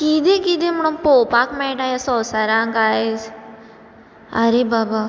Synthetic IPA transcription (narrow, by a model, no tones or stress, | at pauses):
kiːd̪ekid̪eməɽ̃õpoːpaːkmɛ̃ːʈaːjasɔsaɾãːŋɡaes | ɐɾebaːba